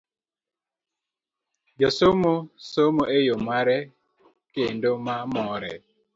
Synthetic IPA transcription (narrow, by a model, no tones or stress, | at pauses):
d͡ʒasomosomoʔejomaɾɛ | kendomamɔɾɛ̰